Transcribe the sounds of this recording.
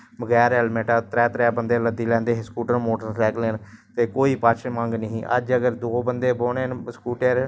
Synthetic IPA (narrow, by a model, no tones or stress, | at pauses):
bəɡɛːɾɛːlmeːʈaːt̪ɾɛːt̪ɾɛːbənd̪eːləd̪iːlɛ̃ːnd̪eːɦskuːʈəɾmoːʈəɾslɛːkleːnt̪eːkoːiːpat͡ʃʰmə̃ŋɡnəɦĩːʔə̰d͡ʒəɡəɾd̪oːbənd̪eːboːɽeːnskuːʈeːɾ